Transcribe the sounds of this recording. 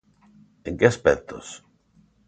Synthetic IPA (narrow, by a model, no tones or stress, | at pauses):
eŋkeaspɛk̚t̪o̰s